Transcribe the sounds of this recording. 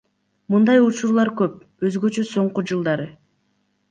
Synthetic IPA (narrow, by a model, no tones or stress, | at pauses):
mɯnd̪ɑjut͡ʃuɾlˠɑɾkøp̚ | øzɡø̞t͡ʃøso̞ɴqud͡ʒɯlˠd̪ɑɾɯ